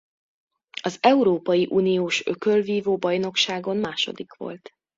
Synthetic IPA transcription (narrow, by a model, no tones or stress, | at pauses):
ɒzɛuɾoːpɒjiʔuːnijoːʃø̞kølviːvoːbɒjno̞kʃaːɡo̞nmaːʃo̞̰d̪ikʋo̞̰lt̪